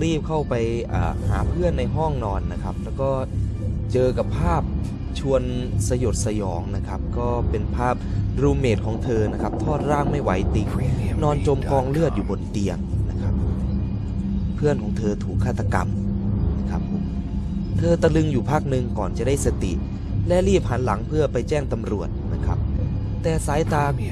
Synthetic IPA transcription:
ɾiː˥˩p̚kʰa˥˩wpa˧jʔa̰ː˨˩ha̰ː˩˦pʰɯ˥˩ənːa˧jɦɔ˥˩ŋnɔː˧nːa˦˥kʰa˦˥p̚lɛː˦˥wkɔː˥˩t͡ɕɤː˧ka˨˩pʰːaː˥˩p̚ | t͡ɕʰu˧ənsa˧jo˨˩t̪̚sa˧jɔː˩˦ŋna˦˥kʰa˦˥p̚kɔː˥˩pe˧npʰaː˥˩p̚ɾuː˧meː˨˩t̪̚kʰɔː˩˦ŋt̪ʰɤː˧na˦˥kʰa˦˥p̚t̪ʰɔː˥˩t̪̚ɾaː˥˩ŋma˥˩jwa˩˦jt̪i˧˩ŋnɔː˧nt͡ɕo˧mkɔː˧ŋlɯ˥˩ət̪̚juː˨˩bo˧nt̪i˧əŋna˦˥kʰa˦˥p̚ | pʰɯ˥˩ənkʰɔː˩˦ŋt̪ʰɤː˧t̪ʰuː˨˩kʰːaː˥˩t̪ːa˧ka̰˧mna˦˥kʰa˦˥pʰːo˩˦m | t̪ʰɤː˧t̪a˧lɯ˧ŋjuː˨˩pʰaː˦˥˩k̚nɯ˧ŋkɔː˨˩nt͡ɕa˨˩daː˥˩jsa˧t̪ḭ˨˩ʔ | lɛ˦˥liː˥˩p̚ha˩˦nla˩˦ŋpʰɯ˥˩ɐpa˧jt͡ɕɛː˥˩ŋt̪a˧mɾu˨˩ət̪̚na˦˥kʰa˦˥p̚ | t̪ɛː˨˩saː˨˩˦jt̪aː˨˩k̚

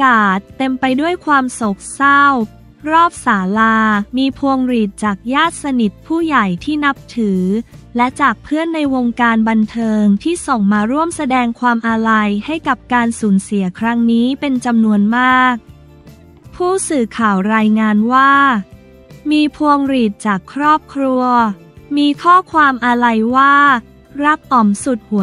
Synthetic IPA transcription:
kaː˨˩t̪ːe˧mpa˧jdu˥˩əjkʰwaː˧mso˨˩k̚sa˥˩w | ɾɔː˥˩p̚saː˩˦laː˧miː˧pʰu˧əŋɾiː˨˩t̪̚t͡ɕaː˨˩k̚jaː˥˩t̪̚sa˧ni˨˩t̪̚pʰuː˥˩ja˨˩jt̪ʰiː˥˩na˦˥p̚t̪ʰɯː˩˦lɛ˦˥t͡ɕaː˨˩k̚pʰɯ˥˩ənːa˧jwoː˧ŋkaː˧nba˧nt̪ʰɤː˧ŋt̪ʰiː˥˩so˨˩ŋmaː˧ɾu˥˩əmsa˧dɛː˧ŋkʰwaː˧mʔa˧ɾa˧jha˥˩jka˨˩p̚kaː˧nsuː˩˦nsi˨˩˦ɐkʰɾa˦˥ŋniː˦˥pe˧nt͡ɕa˧mnu˧ənmaː˥˩k̚ | pʰuː˥˩sɯː˨˩kʰaː˨˩wɾaː˧jŋaː˧nwaː˥˩ | miː˧pʰu˧əŋɾiː˨˩t̪̚t͡ɕaː˨˩kʰːɾɔː˥˩p̚kʰɾu˧ɐ | miː˧kʰɔː˥˩kʰwaː˧mʔa˧ɾa˧jwaː˥˩ | ɾa˦˥p̚ʔɔ˨˩msu˨˩t̪̚hu˩˦

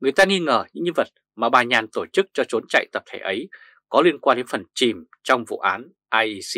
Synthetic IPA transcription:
ŋɨ˨˩əjt̪aː˧ŋi˧ŋəː˧˩ɲɨ̰˧˥ŋɲɨ˧və˨˩t̚ | maː˨˩ɓaː˨˩ɲaː˨˩nt̪o˧˩t͡ɕɨ˦˥k̚t͡ɕɔ˧t͡ɕo˨˦nt͡ɕa̰˧˨jt̪ə˨˩p̚t̪ʰe˧˩ʔə˨˦j | kɔ˨˦li˧ənkwaː˧nɗe˨˦nfə˨˩nt͡ɕi˨˩m | t͡ɕɔ˧wŋ͡mvṵ˧˨ʔa̰ː˨˦n | ʔaː˧ʔsi˧

